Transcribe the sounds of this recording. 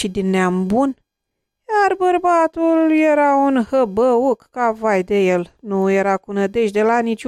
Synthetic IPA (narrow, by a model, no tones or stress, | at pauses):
ʃid̪ineambun | jarbərbat̪uljeɾaunhəbəukkavajd̪ejelnujeɾakunəd̪e̞ʃd̪elanit͡ʃʲ